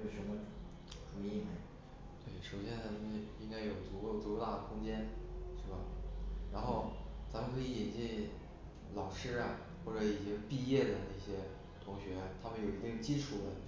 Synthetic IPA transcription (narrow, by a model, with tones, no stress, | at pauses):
o˨˩ʂə˧˥mə˧ʈ͡ʂ | fu˧˥˩i˥˩me˧˥ | t̪we˥˩ɪʂo˨˩ʊɕjɛ˥nʰa˧˥mi˥i˥ŋka˥ɪjo˨˩ʊt͡su˧˥ko˥˧˩ʊt͡su˧˥o˧˥t̪a˥˩ə˩kʰʊ˥ŋt͡ɕjɛ˥nʂɻ̩˥˩bɐ˩ɻa˧˥nxo˥˩ʊt͡sa˧˥mə˧nkʰɤ˧˥i˧˥i˨˩nt͡ɕi˥˩n | lɑ˨˩ʊʂɻ̩˥˩ɐ˨ | xwɔ˥˩ʈ͡ʂɤ˧˥i˨˩t͡ɕi˧˥ŋpi˥˧jɛ˥˩d̪ə˩na˥˩ɕjɛ˥ | t̪ʰʊ˧˥ŋɕɥɛ˧˥t̪ʰa˥mə˨njo˨˩ʊi˧˥t̪i˥˧ŋjt͡ɕi˥ʈ͡ʂʰu˨˩d̪ə˦